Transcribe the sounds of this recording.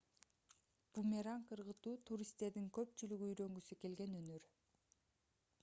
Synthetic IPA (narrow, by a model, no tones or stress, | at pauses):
b̥umʲeɾaŋqʰɯɾʁɯt̪uːt̪ʰuɾʲist̪ːe̞ɾd̪iŋkø̞pt͡ʃylyɡyːjɾø̞ŋɡysyke̞lɡe̞nønøɾ